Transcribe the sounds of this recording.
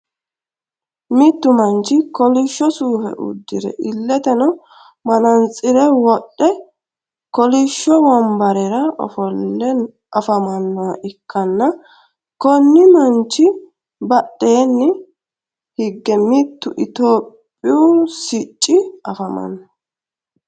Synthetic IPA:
mɪt̪ːʊmɐnt͡ʃːɪkɔlɪʃːɔsuːfɛ̰ʔʊ̰d̪ːɪɾɛ̰ʔɪlːɛt̪ɛnɔ | mɐnɐnt͡sʼɪɾɛwɔɗːɛ | kɔlɪʃːɔwɔmbɐɾɛɾɐɔ̰fɔlːɛ | ɐfɐmɐnːɔwɐʔɪkːɐnːɐ | kɔnːɪmɐnt͡ʃːɪ | bɐɗe̞ːnːɪ | hɪɡːɛmɪt̪ːʊʔɪt̪o̞ːpʼːɪjusɪt͡ʃʼːɪɐfɐmɐ̰nːɐ

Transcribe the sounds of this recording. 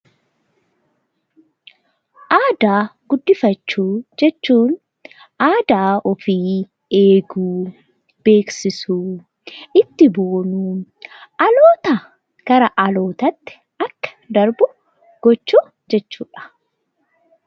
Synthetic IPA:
ʔaːd̪aːɡ̥ʊd̪ːɪfɐt͡ʃːuːd͡ʒɛt͡ʃːuːn | ʔaːd̪aːɔfiː | e̞ːɡuː | b̥e̞ːksɪsuː | ʔɪt̪ːɪboːnuːʔɐloːt̪ɐ | kɐɾɐʔɐlo̞ːt̪ɐt̪ːɪ̥ | ɐkːɐ̥d̪ɐɾbʊ | ɡ̥ɔt͡ʃːuː | d͡ʒɛt͡ʃːuːᶑɐ̥

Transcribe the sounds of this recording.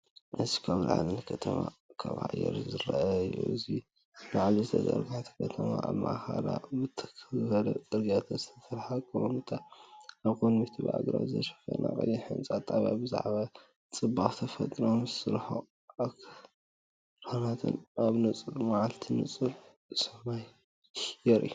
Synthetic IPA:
ʔɨzi̥kʰaβla̰ʕlɨnkʰɐt̪ʰɐmakʰaβa̰jɛ̰ɾzɨɾaʔaṵɨzi | laʕlizɨt̪ʰɐt̪ʼɐ̰ɾɡaħat̪ʰi̥kʰɐt̪ʰɐmaʔaβma̰ʔxalabɨt̪ʰkʰzɨbɐlɐt̪ʼɨɾɡat̪ʰɐzɨt̪ʰɐt̪ʰɐɾħakʰɐomɨt̪ʰaaβkonmit̪ʰɨβa̰ʕaɡɾa̰zɐ̰ɾfɐnʔa̰kʼɨlːiħɨnt͡sʼat̪ʼːaβabɨza̰ʕβa | t͡sʼɨbːaχt̪ʰɐfɐt̪ʼɾomzɨsɨɾħo | akʰ | ɾʰanat̪ʰɨ̰naβnɨt͡sʼɨɾmaʕalt̪ʰinɨt͡sʼɨɾ | sɐmaj | jɛɾʔḭu

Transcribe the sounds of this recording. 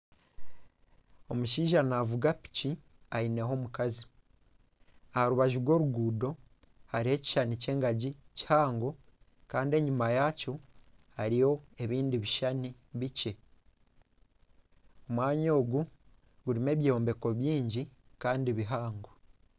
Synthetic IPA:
o̞muʃiːʒanavuɡapi̥ci | aine̞ɦo̞ːmukazi | ahaɾuβaʒuɡwo̞ːɾuɡuːdo̞ | haɾihe̞ci̥ʃanice̞ːŋɡaɟici̥haːŋɡo̞ | kaːnde̞ɲumajaco | haɾijo̞e̞βiːndiβiʃani | βice̞ | o̞mwaːɲo̞ːɡu | ɡuɾime̞ːβjoːmbe̞ko̞βjiːɲɟikaːndiβiɦaːŋɡo

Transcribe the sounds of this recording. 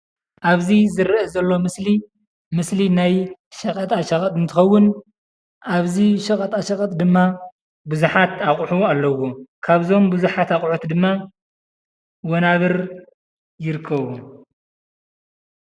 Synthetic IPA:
ʔaβzizɨɾʔɐzɐlːo̞mɨsli | mɨslinajʃɐkʼɐt̪ʼaʃɐxʼɐt̪ʼɨnt̪ʰɨxɐwːʊn | ʔaβziʃɐkʼɐt̪ʼaʃɐkʼɐt̪ʼd̪ɨmːa | buzuħat̪aχʼħualːɐwokʰaβzo̞mbuzuħat̪aχʼʕut̪ʰd̪ɨmːa | wonaβɨɾ | jɪɾɨkʰːɐβu

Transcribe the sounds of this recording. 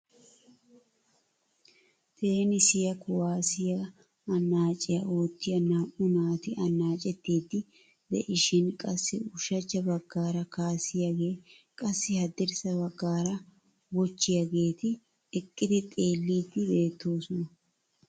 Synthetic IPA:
t̪ʰe̞ːnɪsɪjɐkʊwaːsɪjɐ | ɐnːaːt͡ʃʼɪjɐo̞ːt̪ːɪjɐnaːʔʊnaːt̪ɪɐnːaːt͡ʃʼɛt̪ːiːt̪ːɪ | d̪ɛ̰ʔɪʃɪnkʼɐsːɪʊʃɐt͡ʃːɐbɐɡːaːɾɐkaːsɪjɐɡe̞ː | kʼɐsːɪhɐd̪ɪɾsɐbɐɡːaːɾɐ | wɔt͡ʃːɪjɐɡe̞ːt̪ɪ | ɛkʼːɪd̪ɪt̪ʼe̞ːlːiːt̪ːɪbe̞ːt̪ːo̞ːsɔnɐ

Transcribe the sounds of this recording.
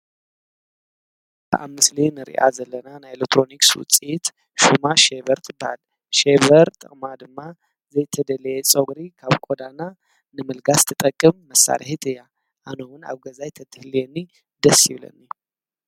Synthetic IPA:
b̥əʔamːɨslenɨɾḭʔa̰zɐlːənanaelɛk̚t̪ːɾo̞nikswʊ̰t͡sʼit̪ | ʃumaʃeβəɾt̪ʰɨba̰l | ʃeβəɾt̪ʼəkʼmad̪ɨmːa | zɐjt̪ʰəd̪ələjɛt͡sʼoɡɾikʰaβkʼod̪anːa | nɨmɨlɡast̪ʰɨt̪ʼəkʼːɨmːəsːa̰ɾʔa̰hit̪ʰɨja | ʔanowɨna̰βɡəzajt̪ʰəd̪ɨhlenːi | d̪əsiβlə̰nːi

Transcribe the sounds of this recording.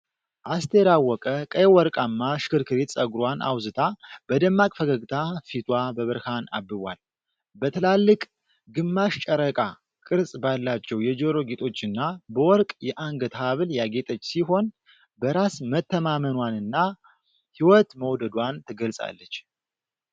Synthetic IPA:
ʔast̪ʰeɾawːɔkʼəkʼəjwɔɾkʼamːaʃkɨɾkʰɨɾet̪sʼəɡɾwanʔa̰wzɨt̪ʰab̥əd̪əmːakʼfəɡəɡt̪ʰafit̪ʰwabəβəɾhana̰bːɨβʷa̰l | bət̪ʰɨlalːɨkʼ | ɡɨmːaʃt͡ʃʼəɾəkʼa | kʼɨɾsʼbalːat͡ʃːɛwjɛd͡ʒəɾo̞ɡet̪ʼo̞t͡ʃːɨnːabəwɔɾkʼjɛʔaŋɡət̪haβɨljaɡe̞t̪ʼət͡ʃːsiɦo̞n | bəɾasmət̪ːəmamənwanɨnːa | hiwɔt̪məwd̪əd̪want̪ʰɨɡəlsʼa̰lːət͡ʃː

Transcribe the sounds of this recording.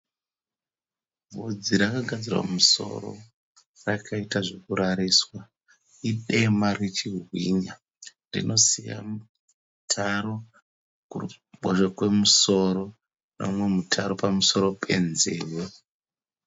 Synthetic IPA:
bʱod͡ziɾakaɡʱad͡zirwa̰muso̞̰ro̞̰ | rakʰaitaʐe̞kuɾaɾiswa | iɗe̞maret͡ʃirwiɲa | rḭnʔo̞sija̰m | tʰaɾo̞ | kuu | ɓoʃakwe̞muso̞ɾo̞ | no̰mwe̞mutʰaɾo̞pamuso̞ɾo̞pʰe̞nzeːwe

